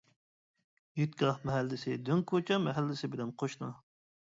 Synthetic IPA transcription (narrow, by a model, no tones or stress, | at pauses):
jyt̪̚kʲʰilˠɑχmɛɦɛlːɪsɪd̪yŋkʰot͡ʃʰɑmɛɦɛlːɪsɪbɪlɛmqʰoʃnɑ